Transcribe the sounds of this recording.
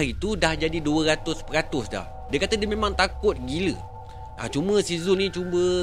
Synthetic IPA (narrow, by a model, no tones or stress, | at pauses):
it̪udahd͡ʒadiduəɾat̪ʊspəɾat̪ʊsda̰h | diakat̪ədəmẽmãŋt̪akʊt̪̚ɡilə | ʔa̰t͡ʃumə̃sizʊnĩt͡ʃumbə